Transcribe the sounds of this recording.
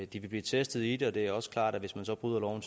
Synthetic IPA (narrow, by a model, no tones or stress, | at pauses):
d̥iʋe̝b̥lḭːt͡sʰesd̥ð̞̩ˠid̥eɒ̽d̥e̝æɒ̽sə̥kʰlɑ̰̈ːd̥æʋe̝smænsɒ̽b̥ʁyð̞̰ˠɐlɒʊn̩t͡sʰ